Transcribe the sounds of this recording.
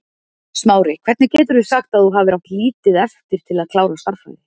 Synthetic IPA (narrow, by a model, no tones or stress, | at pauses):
smaːwɾɪkʰvɛɾt̪nɪcɛːt̪ʏɾðʏsaxt̪aðθuɦaːvɪɾawt̪liːt̪ɪðɛft̪ɪɾ̥t̪ʰɪlaðkʰl̥aːwɾast̪aɾ̥fa̰lɪ